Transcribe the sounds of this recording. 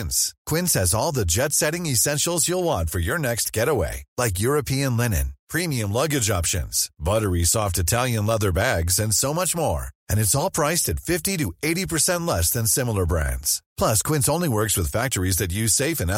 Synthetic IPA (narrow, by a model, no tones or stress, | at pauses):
nskʰw̥ɪ̃nshɨzɔlˠðɨd͡ʒɛtsɛɾɪ̃ŋɨsɛ̃nʃl̩ˠzjəlˠwɑ̃nfə˞jə˞nɛkst̚ɡ̥ɛɾəwḛɪlaɪk̬jʊɹɨpʰiɨ̃nlɛnɨ̰̃npʰɹ̥ĩmiɨ̃mlʌɡɨd͡ʒɑpʃɨ̰̃nz̥bʌɾə˞isɔftɨtʰælˠjɨ̃nlʌðə˞bæɡzɨ̃nsoʊmʌt͡ʃmɔ̰ɹɨ̃nɨtsɔlˠpʰɹ̥aɪstɨtfɪftiɾɨeɪɾipʰə˞sɛ̃ntʔˡlɛsðɨ̃nsɪ̃ml̩ˠə˞bɹæ̰̃ndz̥pʰl̥ʌskʰw̥ɪ̃nsõʊ̃nliwɜ˞kswɨð̥fæk̚tə˞izðɨt͡ʃɨseɪfɨ̃n